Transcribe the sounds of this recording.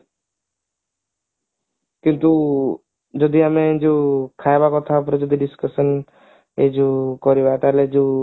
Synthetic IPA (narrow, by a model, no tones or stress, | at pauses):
kɪnt̪u | d͡ʒɔd̪iamẽd͡ʒokʰaebakɔt̪ʰapəɾd͡ʒɔd̪iɖɪskəsən | ed͡ʒokɔɾibat̪aled͡ʒo